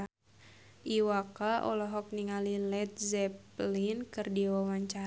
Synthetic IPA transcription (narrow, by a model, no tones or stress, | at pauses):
ʔiwakaʔɔ̰lɔɦɔk̚niŋalilɛt̪̚zɛplinkɨrdiawawaɲt͡ʃa